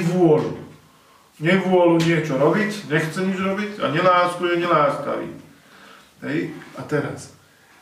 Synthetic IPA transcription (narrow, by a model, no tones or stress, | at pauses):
ʋʊɔlu | ɲɛʋʊɔluɲɪɛt͡ʃɔɾɔbicɲɛxt͡sɛɲid͡ʒɾɔbica̰ɲɛlaːskujɛɲɛlaːska̰ʋḭː | ɦɛjat̪ɛɾa̰s